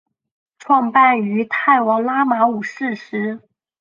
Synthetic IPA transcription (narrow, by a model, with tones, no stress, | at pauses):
ʈ͡ʂʰwɑ˥˧ŋpa˥˩ny˧˥t̪ʰa˥˩ɪwɑ˧˥ŋla˥ma˧˥u˨˩ʂɻ̩˥˩ʂɻ̩˧˥